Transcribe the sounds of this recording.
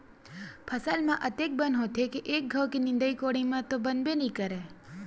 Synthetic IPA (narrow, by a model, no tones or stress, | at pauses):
pʰəsalmãʔət̪ek̚bənɦot̪ʰekeʔek̚ɡʱəʋkinɪ̃nd̪əikoɽimãt̪obənbenĩkəɾe